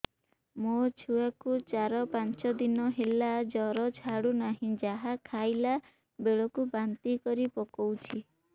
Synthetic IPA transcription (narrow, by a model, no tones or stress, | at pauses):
mot͡ʃʰuakut͡ʃaɾɔpant͡ʃɔd̪inɔɦelad͡ʒɔɾɔt͡ʃʰaɽunaɦĩd͡ʒaɦakʰajla | beɭɔkubant̪ikɔɾipɔkɔwt͡ʃʰi